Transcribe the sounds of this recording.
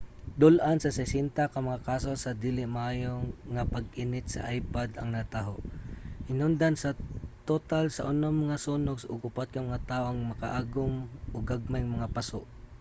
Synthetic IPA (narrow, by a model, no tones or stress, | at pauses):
d̪ʊlʔansɐsɛsɛnt̪akamaŋakaːsosad̪iːlɪmaʔaːjoŋapaɡʔinɪt̪sa̰ʔajpad̪ɐ̰ŋnat̪aɦoʔhɪnʊnd̪ansat̪ot̪alsa̰ʔʊnomɐŋasuːnʊɡsʊɡʊpat̪̚kamaŋat̪aːʔoŋmɐkaʔaːɡʊmʔoɡaɡ̚majŋmɐŋapasʊʔ